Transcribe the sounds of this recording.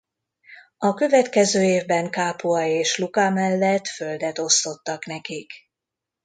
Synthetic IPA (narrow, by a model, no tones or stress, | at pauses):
ɒkø̞vɛt̪kɛzøːeːvbɛŋkaːpuɒeːʃlukamɛlːɛt̪fø̞ld̪ɛt̪o̞st̪o̞t̪ːɒknɛkik